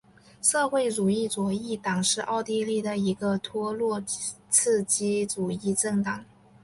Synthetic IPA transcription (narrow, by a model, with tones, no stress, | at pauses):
ʂɤ˥˧xwe˥˩ɪʈ͡ʂu˨˩i˥˩t͡swɔ˧˥i˥˩t̪ɑ˨˩ŋʂɻ̩˥˧ʔɑ˥˧ʊt̪i˥˧li˥˩d̪ə˩i˧˥ɡə˧t̪ʰwɔ˥lwɔ˥˧ | t͡s̩ʰ˥˩t͡ɕi˥ʈ͡ʂu˨˩i˥˧ʈ͡ʂɤ˥˩ŋt̪ɑ˨˩˦ŋ